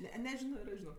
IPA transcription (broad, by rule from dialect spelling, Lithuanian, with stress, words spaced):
ˈnʲɛ nʲɛˈʒʲɪnoː ɪr ˈɐʃ ʒʲɪˈnoːk